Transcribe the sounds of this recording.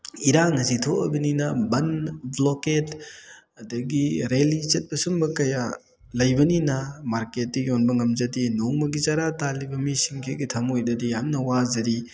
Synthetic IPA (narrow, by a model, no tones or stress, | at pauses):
iɾaŋɐsitʰoʔɐ̰bɐninɐbɐnbloket | ɐdɐɡiɾelit͡ʃet̚bɐsumbɐkɐja | lɐjbɐninɐmaɾket̚ːijonbɐŋɐmzɐdinoŋmɐɡizaɾatalibɐmisiŋkʰeɡitʰɐmojdɐdijamnɐwazɐɾi